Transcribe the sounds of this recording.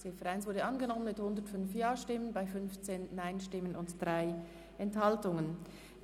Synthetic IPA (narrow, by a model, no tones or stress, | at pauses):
seːfɛʁaɪnsvʊɐdəʔɑnɡənɔmənmɪthʊndətfʏnfjaːʃtɪmːənbaɪfʏnft͡seːnːaɪnʃtɪmənʊntd̥ʁaɪ | ʔɛnthɑltʊŋən